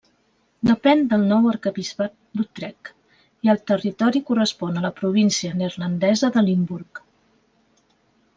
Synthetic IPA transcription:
d̪əpɛnd̪əlˠnɔwəɾkəβizpat̪̚d̪ut̪ɾɛk | iəlˠt̪ərit̪ɔɾikurəspɔnələpɾuβ̞insiənəɾlənd̪ɛzəðəlimbuɾk

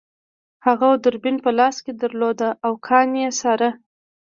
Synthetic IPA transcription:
haɣad̪əɾbɪnpəlɑsked̪əɾlod̪aʔawkʰɑnjesɑɾa

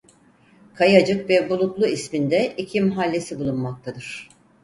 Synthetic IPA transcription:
kʰajad͡ʒɯkvɛbulˠut̪lˠuismind̪ɛicʰimɦalʲːe̞sibulˠunmak̚t̪ʰad̪ɯɾ̥

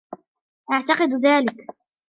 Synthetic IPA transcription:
ʔaʕt̪ɑqɨd̪ðaːlɪk

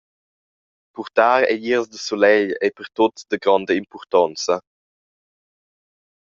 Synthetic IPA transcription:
puʁt̪aːɾɛ̰ʎiʁzdəsolɛʎɛpəʁt̪otd̪əɡɾɔndəimpɔʁt̪ɔnt͡sə

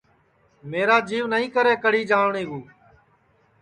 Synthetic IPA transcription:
meːɾaːd͡ʒiːʋnəɦĩːkəɾeːkəɽiːd͡ʒaːʋɳĩːɡuː

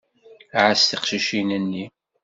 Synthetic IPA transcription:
ʕast̪iqʃiʃinənːi

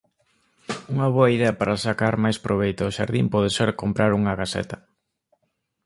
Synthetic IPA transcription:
uŋɐβoɐiðeɐpaɾasakaɾmajspɾʔoβejt̪oːʃa̰ɾðimpɔðeseɾkompɾaɾuŋɐɣasɛ̰t̪ɐ

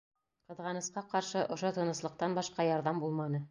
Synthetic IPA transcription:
qɤ̆ðʁɑnɤ̆sqɑqɑɾʃɤʔŏʃot̪ɤ̆nɤ̆slˠɤ̆q̚t̪ɑnbɑʃqɑjɑɾðɑmbulˠmɑnɤ

